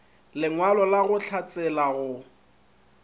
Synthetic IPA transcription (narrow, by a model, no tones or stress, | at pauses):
lɪŋwalɔlaɣʊt͡ɬʰat͡sʼɛlaɣʊ